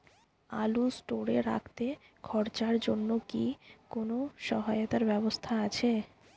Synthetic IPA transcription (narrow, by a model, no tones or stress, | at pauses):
a̰lusʈoɾeɾa̰kʰt̪e | ɡʰɔɾt͡ɕaɾd͡ʑonːokikonoʃɔɦajot̪aɾbɛbost̪ʰaat͡ɕʰe